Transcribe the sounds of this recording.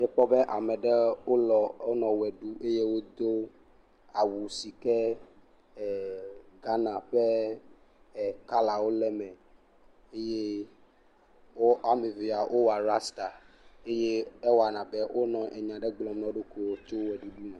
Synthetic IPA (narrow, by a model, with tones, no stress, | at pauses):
mɛ̃˦ɸɔ˦be˦ʔa˨mɛ̃˨ɖɛ˦wo˦lɔ˨o˦nɔ̃˨wɛ˨ɖu˦ʔe˦je˦wo˦d̪o˦ | a˨wu˨si˨kɛ˦˨ | ɡa˦nã˨ɸe˦˨ | ka˦la˨wo˦lɛ˦mɛ̃˨ | e˦je˦ | wo˦a˦me˨vi˨a˨ʔo˦wa˨ɾa˦st̪a˨ | e˦jeː˦wa˨nã˨bɛ˦wʔo˦nɔ̃˨ʔɛ˨ɲã˨ɖɛ˦ɡ͡blɔ̃˨mnɔ̃˨ɖo˦ko˨wo˦t͡ʃo˦wɛ˨ɖu˦ɖu˦nã˨